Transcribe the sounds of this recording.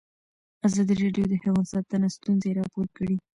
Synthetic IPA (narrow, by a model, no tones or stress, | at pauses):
azɑd̪iɾɑɖjod̪əhewɑnsɑt̪ənast̪unzeɾɑpoɾkəɽi